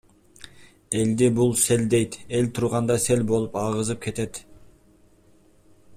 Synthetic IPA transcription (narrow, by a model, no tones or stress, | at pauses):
e̞ld̪ibulˠse̞ld̪e̞jt̪e̞lʲt̪ʰuɾʁɑnd̪ɑse̞lbo̞lˠupɑʁɯzɯp̚kʰe̞t̪e̞t̪